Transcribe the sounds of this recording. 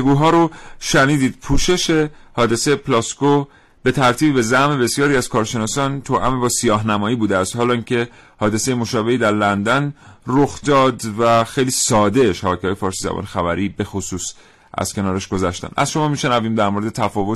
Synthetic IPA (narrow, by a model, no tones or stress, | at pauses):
ɡuːɦɒːɾoʃæniːd̪iːd̪̥̚pʰuːʃe̞ʃe̞hɒːd̪e̞sejeplɒsko | b̥e̞t̪ʰæɾt̪ʰiːbbe̞zæhme̞be̞sjɒːɾiæz̥kʰɒːɾʃe̞nɒːsɒːnt̪ʰoʔæ̰mebɒːsijɒːɦnæmɒːiːbuːd̪eæst̪hɒːlɒiŋcʰe̞ | hɒːd̪e̞sejemo̞ʃɒːbe̞hiːd̪æɾlænd̪ænroxd̪̥ɒːd̪væxe̞jliːsɒːd̪e̞ʃæbɒːcʰeɒːjefɒːɾsiːzæ̰bɒ̰ːnexæbæɾiːbe̞xosuːs | ʔæ̰z̥kʰe̞nɒːɾæʃɡ̥o̞zæʃt̪æ̰næ̰zʃo̞mɒːmiːʃe̞næviːmd̪æɾmo̞ɾe̞d̪et̪ʰæfɒːvo̞t̪